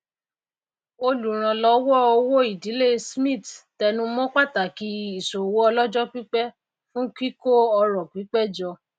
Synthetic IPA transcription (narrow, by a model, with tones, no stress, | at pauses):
o˧lu˨ɾ̃ã˧lɔ˨˧˦wɔ˦o˧˦wo˦i˨di˨˦le˦˨smĩ˦˨ttɛ˧nũ˧˦mɔ̃˦k͡pa˦˨ta˨ki˨˦i˦˨so˨wo˦ɔ˧lɔ˦d͡ʒɔ˦k͡pi˦k͡pɛ˦ | fũ˦ki˦ko˦ɔ˧ɾɔ˨ki˨˦k͡pɛ˦d͡ʒɔ˧